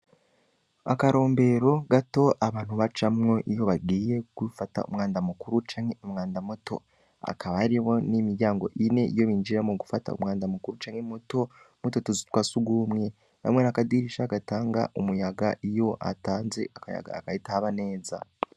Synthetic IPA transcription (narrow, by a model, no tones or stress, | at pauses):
a̰kaɾo̞ːmbe̞ːɾo̞ɡato̞ʔaβaːnhuβat͡ʃamŋo̞ʔijo̞βaɡiːje̞kwifata̰ṵmŋaːndamukuɾut͡ʃaːŋhe̞umŋaːndamoto̞̰ | a̰kaβaɾiho̞nimiɾɟaːŋɡo̞̰ʔine̞ijo̞βiːnd͡ʒiɾamuɡufata̰ṵmŋaːndamukuɾut͡ʃaːŋemoto̞ | mototozi̥twasuɡumŋe̞ | ha̰mŋe̞nakadiɾiʃaɡataːŋɡa̰ʔumujaɡaʔijo̞ʔa̰taːnze̞̰ʔakaja̰ɡa̰kaitaːβane̞ːza̰